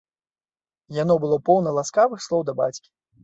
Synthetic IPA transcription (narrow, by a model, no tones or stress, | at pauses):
janɔbɨlˠɔpɔwnɐlˠaskavɨxslˠɔwd̪ɐba̰t͡sʲkʲi̥